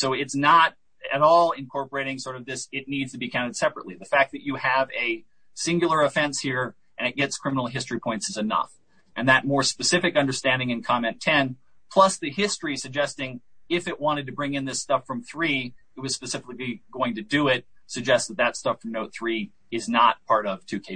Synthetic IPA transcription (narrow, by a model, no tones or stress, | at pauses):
soʊɪtsnəɾ | ɨɾɔlˠɪ̃nkʰɔɹpə˞eɪɾɪ̃ŋsɔɹɾʌvðɪsɨtⁿnidz̥tʰɨbikʰãʊ̃ñtɨd̥sɛpɹəʔˡliðɨfæk̚ðɨt͡ʃɨɨvɨ | sɪ̃ŋɡjl̩ˠə˞ɨfɛ̃nshiɹ | ʔɨ̃nɨt̚ɡ̥ɛtskʰɹ̥ɪ̃mənl̩ˠɦɪstɹ̥ipʰɔ̃ɪ̃ntsɨzɨnʌ̰f | ʔɨ̃nðɨt̚mɔɹspɨsɪfɨkʌ̃ndə˞stæ̃ndɪ̃ŋɨ̃nkʰɑmɛ̃ntʰɛ̃npʰl̥ʌsðɨhɪstɹ̥isɨɡ̚d͡ʒɛstɪ̃ŋɪfɨʔ̚wɑ̃ɾ̃ɨd̚tɨbɹɪ̃ŋɨ̃nðɪstʌfɹʌ̃mθɹit̚wʌz̥spɨsɪfɨkliɡoʊɪ̃ŋtɨdɨɪt̚sɨɡ̚d͡ʒɛstsðət̪̚ðɨtstʌfɹʌ̃mnoʊt̪̚θɹi | ɨznət̚pʰɑɹɾʌv̥tʰʉkʰeɪ